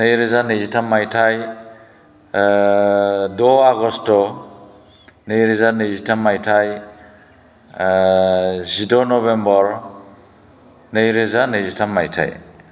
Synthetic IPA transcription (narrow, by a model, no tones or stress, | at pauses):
nɯjɾizanɯjzitʰamːajtʰaj | dɔaɡɔstɔ | nɯjɾizanɯzitʰamːajtʰaj | zidɔnɔβembɔɾ | nɯjɾezanɯjzitʰamːajtʰa̰j